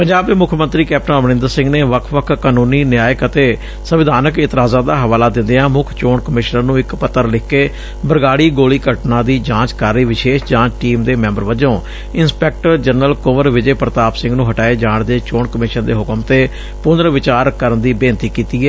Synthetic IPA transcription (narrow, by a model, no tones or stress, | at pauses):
pəɲd͡ʒaːb̚d̪eːmʊkʰjəmə̃nt̪ɾiːkɛːp̚ʈə̃nəʋnɪ̃nd̪əɾsɪ̃ŋɡneːʋəkʰʋəkʰkaːnũːniːnjaːjəkət̪eː | səʋɪd̪ʱaːnəkɪt̪ɪɾaːzãːd̪aːɦəʋaːlaːd̪ɪ̃nd̪eãːmʊkʰt͡ʃoːɳkəmɪʃnəɾnũːɪkpət̪ːəɾlɪkʰːeː | bəɾɡaːɽiːɡoːliːkəʈnãːd̪iːd͡ʒãːt͡ʃkaːɾːiːʋɪʃeːʃd͡ʒãːt͡ʃʈiːmd̪eːmɛ̃ːmbəɾʋəd͡ʒõː | ɪnspɛːk̚ʈəɾd͡ʒənːəlkʊʋəɾʋɪd͡ʒeːpɾət̪aːpsɪ̃ŋɡnũːɦəʈaːeːd͡ʒãːɳd̪eːt͡ʃoːɳkəmɪʃənd̪ḛːɦʊkəmt̪eː | pʊnəɾʋɪt͡ʃaːɾkəɾənd̪iːbẽːnt̪iːkiːt̪iːɛː